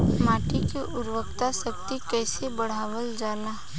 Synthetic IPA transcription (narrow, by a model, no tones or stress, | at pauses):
maːʈikeʔʊɾwəkt̪asəkt̪ikɛːsebəɽ̤aːʋəld͡ʒaːlaː